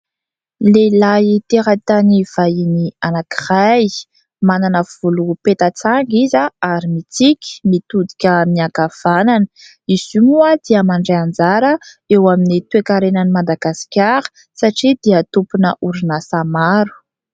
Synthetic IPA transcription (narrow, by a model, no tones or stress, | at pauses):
lelajit̪eɾat̪aniv̥ajinianaki̥raj | mananəv̥ulupet̪ət͡saŋɡizaaɾimit͡sikʲi̥mit̪ud̪i̥kʲəmiakav̥ananə̥ | iz̥umuad̪̥iəmaɳɖ͡ʐeand͡zaɾə | ewaminit̪uekaɾenənimad̪aɡasi̥kʲaɾə̥ | saʈ͡ʂid̪iət̪upunəʔuɾinasamaɾu̥